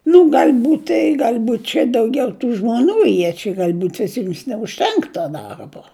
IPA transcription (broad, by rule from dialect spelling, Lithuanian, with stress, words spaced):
nʊ ɡɐlʲˈbuːtʲ ɪ ɡɐlˠˈbuːtʲ t͡ʃʲɛ dɐʊˈɡʲɛʊ tuː ʒmoːˈnuː ˈjiɛ t͡ʃʲɛ ɡɐlˠˈbuːtʲ ʋʲɪˈsʲɪms nʲɛʊʃʲˈtʲɛŋk toː ˈdɐrboː